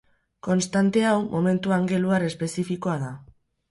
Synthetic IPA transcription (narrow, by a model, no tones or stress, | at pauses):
ko̞nst̪ant̪e̞awmʔo̞me̞nt̪uaŋɡe̞luaɾe̞spe̞sifiko̞aða